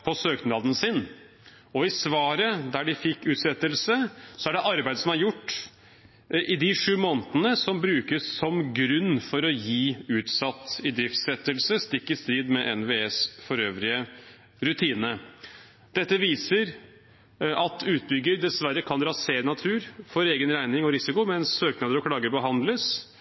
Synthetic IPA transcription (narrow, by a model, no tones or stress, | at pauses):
pʰɔsøːk̪nɑːd̪n̩sɪn | ɔɪsʋɑːɾəd̪æɖɪfɪkːʉːt̪sɛt̪ːəlsəsɔæɖɛʔɑɾbæɪd̪əsɔmæɾjʊʈː | ʔɪd̪ɪʂʉːmoːnt̪ənəsɔmbɾʉːkəssɔmɡɾʉnːfɔɾɔjiːʉːt̪sɑt̪ːɪd̪ɾɪft̪sɛt̪ːəlsəst̪ɪkːəst̪ɾiːd̪mɛʔɛnʋeːɛsfɔɾøːʋɾɪə | ɾʉt̪ʰiːnə | d̪̥ɛt̪ːəʋiːsəɾ | ʔɑt̪ʰʉːt̪̚bʏɡːəɾd̪ɛsʋæɾːəkʰɑnɾɑseːɾnɑt̪ʰʉːɾfɔɾeːɡənɾæɪnɪŋɔɾɪsɪkʊmɛɛnsøːknɑd̪əɾɔkʰɽɑːɡəɾbəɦɑnd̪ləs